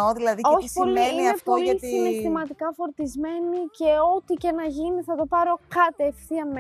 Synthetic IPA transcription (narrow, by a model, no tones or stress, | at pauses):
oðilɐðioçi̥poleinepo̞lsinext̪imɐt̪ikɐfo̞ɾt̪izme̞nice̞o̞t̪icenɐʝiniθɐt̪o̞pɐɾo̞kɐt̪eːfθiɐme